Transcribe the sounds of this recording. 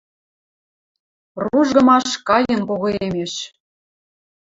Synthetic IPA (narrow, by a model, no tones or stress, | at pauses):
ruʒɣɤ̆mɑʃkɑjə̆npoɣɤ̆emeʃ